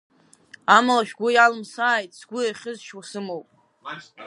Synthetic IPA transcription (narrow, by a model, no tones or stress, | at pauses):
amalaʃᶣɡʷʊjalɨmsaːjtʼsɡʷʊaχʲɨzʃwasɨmowpʼ